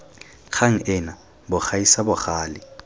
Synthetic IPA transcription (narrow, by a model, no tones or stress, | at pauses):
kʰaŋ̩ɪna | bʊχaisabʊχaːlɪ